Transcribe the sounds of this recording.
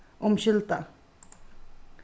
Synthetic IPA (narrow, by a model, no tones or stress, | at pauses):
ʊmʃɪlt̪a